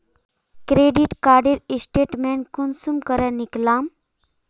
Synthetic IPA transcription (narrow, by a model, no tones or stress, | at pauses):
kɾeɖiʈkaɾɖiɾsʈeʈmenkunsumkəɾaniklam